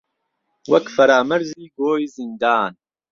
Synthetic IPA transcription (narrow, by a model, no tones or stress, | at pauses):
wɐkfɐɾaːmɐɾziːɡoːjzind̪aːn